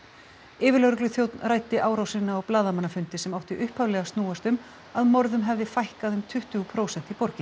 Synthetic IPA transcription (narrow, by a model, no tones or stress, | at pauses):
ɪːvɪɾlœɣɾʏklʏθjowt̪nraːjt̪ɪʔaːwɾawsɪnːaɔɣplaːðamanːafʏnt̪ɪsɛmawht̪ɪʔʏhphavlɛːɣast̪nuːast̪ʏm | aðmɔɾðʏmɦɛvðɪfajhkaðʏmt̪ʰʏht̪ʏɣupʰɾowsɛn̥t̪ipɔɾcɪ